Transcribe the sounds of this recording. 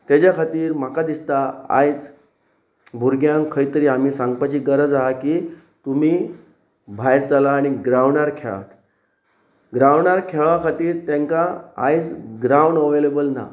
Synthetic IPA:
t̪jad͡ʑjakʰat̪iːɾm̤akad̪ist̪aa̰jt͡s | bʱuɾɡjãŋkʰəjt̪əɾiːam̤iːsãŋɡ̚pat͡ɕiːɡəɾəd͡zaɦakiː | t̪um̤iː | bʱajɾt͡salaːɽ̃iɡɾaʋɳaɾkʰḛɭa̰t̪ | ɡɾaʋɳaɾkʰeɭakʰat̪iːɾt̪jãŋkaa̰jt͡sɡɾawɳɖəʋelebəlna̰

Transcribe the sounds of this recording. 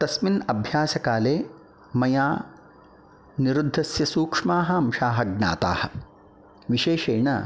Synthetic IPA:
t̪ɐsminɐbʱjaːsɐkaːleː | mɐjaː | niɾud̪ʱːɐsjɐsuːkʂmaːɦɐɐmʃaːɦɐɡna̰ːt̪a̰ːhɐ̆ | ʋiʃeːʃeːɳɐ

